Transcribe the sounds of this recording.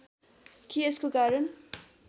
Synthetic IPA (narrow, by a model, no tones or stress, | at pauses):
kieskokaɾʌn